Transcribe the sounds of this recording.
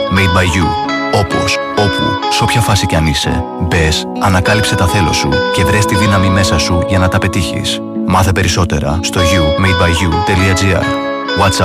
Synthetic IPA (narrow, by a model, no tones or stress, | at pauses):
mejd̪̚bɐjʝu | o̞po̞̰s | o̞pṵseo̞pçɐfɐsiceɐnise̞̰ | be̞s | ɐnɐkɐlipse̞t̪ɐθe̞lo̞̰suce̞vɾe̞st̪iðinɐmime̞sɐsuʝɐnɐt̪ɐpe̞t̪içḭs | mɐθepe̞ɾiso̞t̪e̞̰ɾɐ̰st̪o̞ʝumejd̪̚bɐjʝut̪e̞liɐd͡ziɐ̰ɾ | wɐt̪sɐ